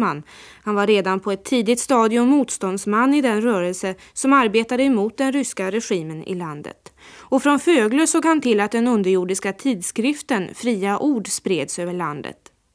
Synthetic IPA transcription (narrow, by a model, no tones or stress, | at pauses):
manːhanvaɾeːd̪anpʰɔɛt̪ʰːiːd̪ɪt̪st̪ɑːd̪ɪɵmːuːt̪st̪ɔnd̪smanːɪd̪ɛnɾœːɾəlsə | sɔmaɾbeːt̪ad̪əɛmuːt̪̚d̪ɛnɾʏskaɾɛɧiːmənɪ̰land̪ə̰t̪ɔfɾɔnføːɡləsoːɡhant̪ʰɪlːat̪̚d̪ɛnɵnd̪əɾjuːɖɪskat̪ʰiːd̪skɾɪft̪ənfɾiːaʔuːɖspɾeːd̪søːvəɭa̰nd̪ə̰t̪